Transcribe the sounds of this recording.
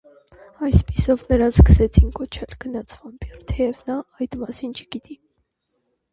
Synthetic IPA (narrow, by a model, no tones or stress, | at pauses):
ɑjspi̥sɔvnəɾɑnt͡sʰskə̥sɛt͡sʰinkɔt͡ʃʰɛlɡənɑt͡sʰvɑmpʰirt̪ʰɛɛvnɑɑjd̪mɑsint͡ʃʰə̥ɡ̥it̪i